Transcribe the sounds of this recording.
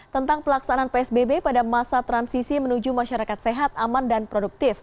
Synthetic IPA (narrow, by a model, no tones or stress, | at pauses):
t̪ənt̪aŋpəlaksananpeɛsbebepadamasat̪ɾansisimənud͡ʒumaʃaɾakat̪seɦat̪̚amandanpɾoduk̚t̪ɪf